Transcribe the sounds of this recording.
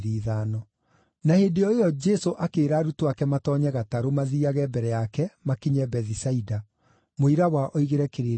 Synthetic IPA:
ɾiːðaːnɔ | naheːndeɔejɔd͡ʒɛsoʔakeːɾaːɾutoakɛmatɔɲɛɣataɾomaðiaɣɛbɛɾɛjakɛmakiɲɛbɛðisaida | moiɾawaʔoiɣeɾɛkeɾe

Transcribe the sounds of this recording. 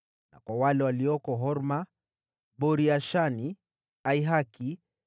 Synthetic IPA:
na̰kwawalɛwaliɔkɔɦɔɾma | bɔɾiaʃani | aiɦaki

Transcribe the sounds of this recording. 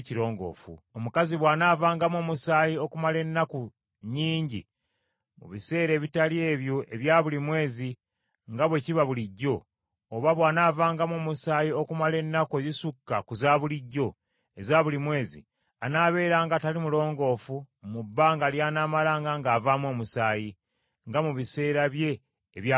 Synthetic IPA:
ciɾo̞ːŋɡo̞̰ːfṵomukaziβwaːnaːvaːŋɡamo̞ːmusaːjio̞kumale̞nːaku | ɲiːɲɟḭ | mṵβise̞ːɾe̞ːβitalje̞ːβjo̞ʔe̞βjaːβulimwe̞ːzi | ŋɡaβwe̞ciβaβuliɟːo̞ː | βaβwaːnaːvaːŋɡamo̞ːmusaːjio̞kumale̞nːakuezisukːakuzaːβuliɟːo̞ | e̞zaβulimwe̞ːzḭ | anaːβe̞ːɾaːŋɡatalimulo̞ːŋɡo̞ːfu | mubːaːŋɡaljaːnaːmalaːŋɡaŋɡaːvamwo̞ːmusaːji | ŋɡamuβise̞ːɾaβje̞ː | βja

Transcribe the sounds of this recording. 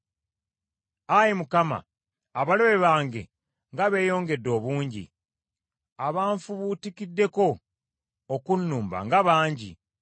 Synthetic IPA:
ajimukama̰ː | βaloβe̞βaːŋɡe̞̰ | ŋɡaβe̞ːjo̞ːŋɡe̞dːo̞ːβuːɲɟḭ | aβaːɱfuβutikidːe̞ko̞ː | kunːuːmba̰ŋɡaβaːɲɟḭ

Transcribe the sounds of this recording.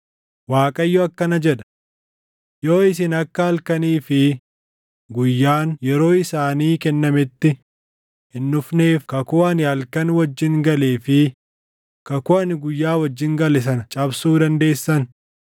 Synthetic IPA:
waːkʼɐjːɔɐkːɐnɐd͡ʒɛᶑ̪ɐ̥ | jo̞ːɪs̬ɪnɐkːɐɐlkɐniːfɪ | ɡʊjːaːnjɛɾo̞ːɪsaːniːkɛnːɐmɪt̪ːɪ | hɪnːʊfne̞ːfkɐkʊɐnɪɐlkɐnwɐd͡ʒːɪŋɡɐleːfɪ | kɐkʊɐnɪɡʊjːaːwɐd͡ʒːɪŋɡɐlɛs̬ɐnɐt͡ʃʼɐbsuːd̪ɐnd̪e̞ːsːɐn

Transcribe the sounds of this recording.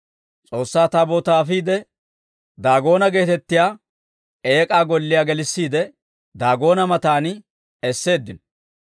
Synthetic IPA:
t͡sʼo̞ːsːaːt̪aboːt̪aːfiːd̪ɛ | d̪aːɡo̞ːnɐɡe̞ːt̪ɛt̪ːɪjaː | e̞ːkʼaːɡɔlːɪjaːɡɛlɪsːiːd̪ɛ | d̪aːɡo̞ːnɐmɐt̪aːnɪ | ɛsːe̞ːd̪ːɪn

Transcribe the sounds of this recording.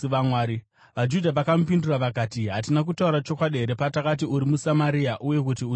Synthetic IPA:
ʋamwaːɾi | ʋad͡ʒudʱaʋakamupinduraʋakaːtiɦatinak̬utauɾat͡ʃo̞kwaɗieɾepatakat̬iuɾimusamaɾiaʔuje̞k̬utiu

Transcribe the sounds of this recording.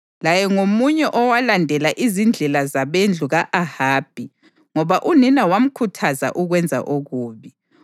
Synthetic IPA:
lajɛŋomuɲɛʔɔwalandʱɛlaʔizind͡ɮʱɛlazaβend͡ɮʱuɣaʔahaːb̥ʱi | ŋɔβaʔuninawam̩kʰutʰaza̰ʔuɣwɛnd͡zʱa̰ʔoɣuːβi

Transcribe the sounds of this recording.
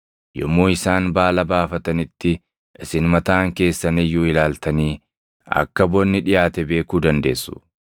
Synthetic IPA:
jɔ̰mːoːɪsaːnbaːlɐbaːfɐt̪ɐnɪt̪ːɪ | ʔɪsɪnmɐt̪aːŋke̞ːsːɐnɪjʊɪlaːlt̪ɐniː | ɐ̰kːɐbɔnːɪᶑɪjaːt̪ɛbe̞ːkuːd̪ɐnd̪e̞ːsːʊ̥

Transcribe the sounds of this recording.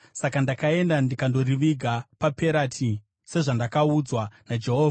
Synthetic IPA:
sakandakae̞ndandikando̞riʋiɡʱapape̞ɾatʰi | se̞ʐandakaud͡zwanad͡ʒe̞ɦoːva

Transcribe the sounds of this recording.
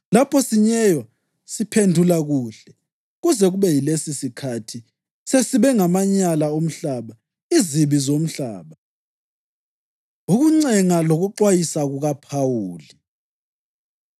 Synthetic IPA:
lapʰɔsiɲɛjwa | sipʰendʱulaɣuɬɛ | ɣuzɛɣuβɛjilesisikʰatʰi | sesiβɛŋamaɲalaom̩ɬaːβa | iziβizom̩ɬaːβa | uɣuŋ͡ǀɛŋaloɣuǃwajisaɣuɣapʰawuːli

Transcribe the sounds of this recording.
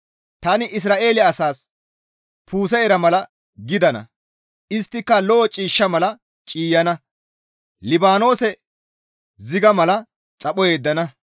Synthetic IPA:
t̪ɐnɪʔɪs̬ɾaːʔe̞ːlɪɐsaːs | pʰuːs̬ɛɛɾɐmɐlɐ | ɡɪd̪ɐnɐ̰ | ʔɪst̪ːɪkːɐlɔːt͡ʃʼiːʃːɐmɐlɐ | t͡ʃʼiːjɐnɐ | lɪbaːno̞ːsɛ | zɪɡɐmɐlɐ | t͡sʼɐpɔje̞ːd̪ːɐnɐ

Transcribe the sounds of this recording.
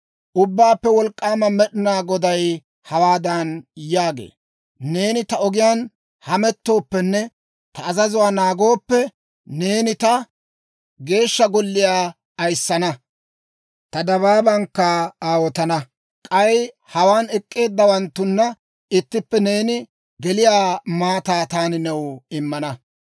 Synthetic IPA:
ʔʊbːaːpːɛwɔlkʼːaːmɐmɛɗɪnaːɡɔd̪ɐj | hɐwaːd̪ɐnjaːɡḛː | ne̞ːnɪt̪ɐɔɡɪjaːn | hɐmɛt̪ːo̞ːpːɛnːɛ | t̪ɐːzɐzʊwaːnaːɡo̞ːpːɛ | ne̞ːnɪt̪ɐ | ɡe̞ːʃːɐɡɔlːɪjaː | ɐjsːɐnɐ | t̪ɐd̪ɐβaːbɐŋkːɐaːwɔt̪ɐnɐ | kʼɐj | hɐwaːnɛkʼːe̞ːd̪ːɐwɐnt̪ːʊnːɐ | ɪt̪ːɪpːɛne̞ːnɪ | ɡɛlɪjaːmaːt̪aːt̪aːnɪnɛwɪmːɐnɐ

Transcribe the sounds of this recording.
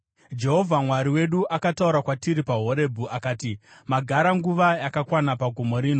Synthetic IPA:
d͡ʒe̞ɦo̞vʱamwaɾiwe̞ɗuʔakatauɾakwatiɾipaɦo̞ɾe̞bʱuʔakaːtimaɡʱaɾaŋɡuʋajakakwanapaɡʱomo̞ɾiːno̞

